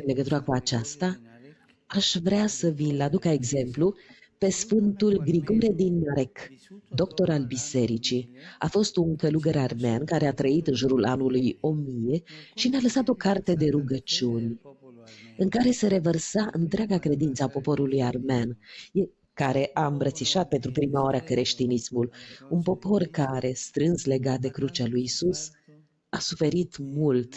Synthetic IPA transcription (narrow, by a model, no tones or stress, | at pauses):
ɨnle̞ɡət̪uɾakuat͡ʃast̪a | aʃvɾeasəvilad̪ukaeɡze̞mplu | pe̞sfɨnt̪ulɡɾiɡo̞ɾed̪inmaɾekd̪o̞kt̪o̞ɾalbise̞ɾit͡ʃia̰fo̞st̪uŋkəluɡeɾarmea̰nkaɾe̞at̪ɾəit̪ɨnʒuɾula̰nulujomije̞ʃinealəsat̪o̞kart̪e̞d̪e̞ɾuɡət͡ʃiunʲ | ɨŋkaɾe̞se̞ɾe̞vərsaʔɨnt̪ɾeaɡakɾe̞d̪int̪səapo̞po̞ɾulujarmanje | kaɾe̞ʔaɨmbɾət̪siʃat̪̚pe̞nt̪ɾupɾimaoaɾakɾeʃt̪inismulunpo̞po̞rkaɾe̞st̪ɾɨnsle̞ɡat̪̚d̪e̞kɾut͡ʃalujisus | asufe̞ɾit̪mult̪